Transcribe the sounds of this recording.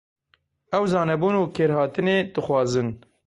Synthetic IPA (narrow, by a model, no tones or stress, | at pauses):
ɛwzɑːnɛbuːnuːkʰeːɾhɑːt̪ɨneːd̪̥ɨxwɑːzɨn